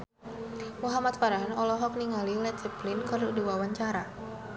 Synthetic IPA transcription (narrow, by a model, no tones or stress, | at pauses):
muɦamat̪̚faɾaɦnɔlɔɦɔk̚niŋalilɛt̪siplinkaruduwawaɲt͡ʃaɾa